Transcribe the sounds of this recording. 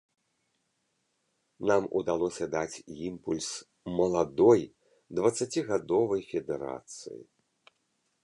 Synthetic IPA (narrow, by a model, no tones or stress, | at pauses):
namṵd̪alˠɔsʲɐd̪at͡sʲimpulʲs | mɐlˠad̪ɔj | d̪vɐt̪sːat͡sʲiɣad̪ɔvɐjfʲɛd̪ɛɾa̰t̪sɨ̰jḭ